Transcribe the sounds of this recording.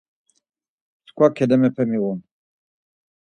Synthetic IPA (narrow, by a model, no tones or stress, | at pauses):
t̪kʰwakʰɛd̪ɛmɛpʰɛmiwun